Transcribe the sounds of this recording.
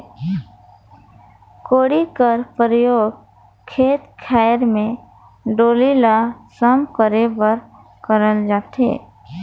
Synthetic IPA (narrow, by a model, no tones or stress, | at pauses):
koːɽikəɾpɾəjoːɡ | kʰeːt̪kʰɛːɾmẽ | ɖoːlilasəmkəɾebəɾ | kəɾəld͡ʒaːt̪ɦḛː